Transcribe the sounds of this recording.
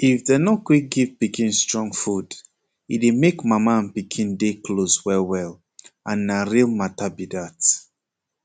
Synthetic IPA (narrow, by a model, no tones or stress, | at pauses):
ifdenɔkwik̚ɡivpikĩnstɹɔ̃ŋfud | idemekmamaãnpikʰĩndekʰloswɛlwɛl | ʔãnːaɹilmatabidat